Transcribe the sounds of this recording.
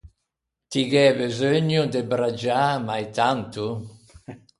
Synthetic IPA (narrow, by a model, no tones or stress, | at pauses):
t̪iɡɛbezøɲud̪ebɾad͡ʒamajt̪ant̪u